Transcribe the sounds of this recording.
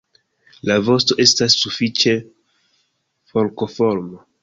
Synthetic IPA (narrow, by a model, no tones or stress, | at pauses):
lavo̞sto̞ʔe̞stasːufit͡ʃe̞ | fo̞lko̞fo̞ɾmo